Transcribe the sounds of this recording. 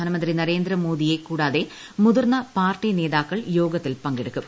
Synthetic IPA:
aːnɐmɐndrinɐɾe̞ːnd̪ɾɐmoːd̪ije̞kuːɽaːðe | muðurnɐpaːrʈːine̞ːðaːkːɐɭjo̞ːɡɐt̪ːilpɐŋɡeɽukːum

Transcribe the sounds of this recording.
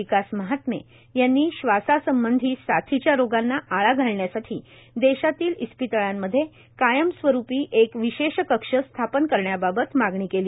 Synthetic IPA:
ikasməɦat̪mḛ | janːiːɕʋasasəmbənd̪ʱiːsat̪ʰit͡ɕjaɾoɡanːaʔaɭaɡʱaɭɳjasaʈʰḭː | d̪eɕat̪iːlispit̪əɭamːəd̪ʱːje | kajəmsʋəɾupiːʔekʋiɕeɕkəkʂəst̪ʰapənkəɾɳjababət̪maɡɳiːkeliː

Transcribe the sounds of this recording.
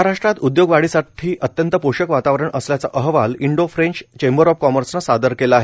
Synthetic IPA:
aɾaʂʈɾat̪ud̪joɡʋaɽiːsaʈʰiːʔət̪jənt̪əpoɕəkʋat̪aʋɾəɳəsljat͡sa̰ʔəɦʋaliɳɖofɾeɲt͡ɕt͡ɕembəɾɔp̚kɔməɾsnasad̪əɾkelaaɦe

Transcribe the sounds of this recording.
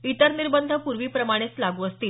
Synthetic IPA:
it̪əɾniɾbənd̪ʱəpuɾʋiːpɾəmaɽ̃et͡slaɡuːəst̪iːl

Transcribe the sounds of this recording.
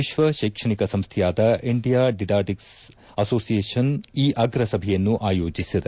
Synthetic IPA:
iʃʋɐʃɐjkʂɐɳikɐsɐmst̪ʰɛjaːd̪ɐʔiɳɖijaːɖiɖaːʈiks | ɐso̞ːsijeːʃɐniːʔɐɡɾɐsɐbʱɛjɐnːuʔaːjoːd͡ʒisid̪e

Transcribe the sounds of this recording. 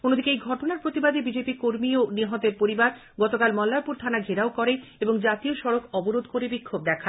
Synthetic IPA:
onːod̪ʱikeejɡʱɔʈonaɾpɾot̪ibad̪ebid͡ʑepikoɾmioniɦɔt̪eɾpoɾibaɾ | ɡɔt̪okalmɔlːapuɾt̪ʰanaɡʱeɾaokɔɾeeboŋd͡ʑat̪ioʃɔɾokɔboɾod̪ʱkoɾebikʰːob̚d̪ɛkʰa

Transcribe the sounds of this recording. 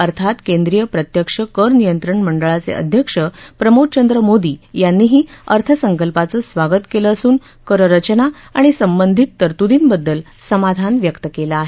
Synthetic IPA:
əɾt̪ʰat̪kend̪ɾijəpɾət̪jəkʂəkəɾnijənt̪ɾəɳməɳɖəɭat͡sḛə̰d̪ʱjəkʂəpɾəmot͡ɕənd̪ɾəmod̪iːjanːiːɦiːəɾt̪ʰəsəŋkəlpat͡səsʋaɡət̪keləːsuːn | kəɾəɾət͡ɕna | aɽ̃isəmbənd̪ʱit̪ːəɾt̪ud̪iːnbəd̪ːəl | səmad̪ʱanʋjəkt̪əkelaaɦe

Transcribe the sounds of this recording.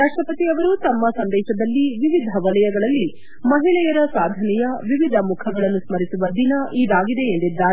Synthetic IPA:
ɾaːʂʈɾɐpɐt̪iɐʋɐɾut̪ɐmːɐsɐnd̪ɛːʃɐd̪ɐlːiʋiʋid̪ʱɐʋɐlɐjɐɡɐɭɐlːi | mɐɦilɛjɐɾɐsaːd̪ʱɐnɛjɐʋiʋid̪ʱɐmukʰɐɡɐɭɐnːusmɐɾisuʋɐd̪inɐʔiːd̪aːɡid̪e̞ːnd̪id̪ːaːɾe

